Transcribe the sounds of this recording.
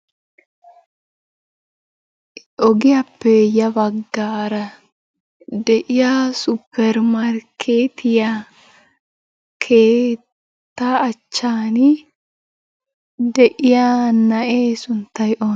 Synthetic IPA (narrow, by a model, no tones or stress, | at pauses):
ʔɔɡɪjɐpːɛjɐbɐɡːaːɾɐ | d̪ɛʔɪjaːsʊpʰːɛɾmɐɾkʰeːt̪ʰɪja | kʰeː | t̪ːaːt͡ʃːaːnɪ | d̪ɛʔɪjaːnɐʔeːsʊnt̪ːɐjʔoː